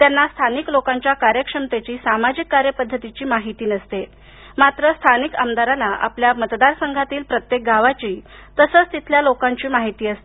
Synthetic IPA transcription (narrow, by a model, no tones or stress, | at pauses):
t̪janːast̪ʰaniklokãɲt͡ɕjakaɾjəkʂəmt̪et͡ɕiːsamad͡ʑikːaɾjəpəd̪ʱːət̪it͡ɕiːmaɦit̪iːnəst̪e | mat̪ɾəst̪ʰanikəmd̪aɾalaʔa̰pljamət̪d̪aɾsəŋɡʱat̪iːlpɾət̪jek̚ɡaʋat͡ɕiː | t̪əsəːt͡st̪it̪ʰljalokãɲt͡ɕiːmaɦit̪iːəst̪i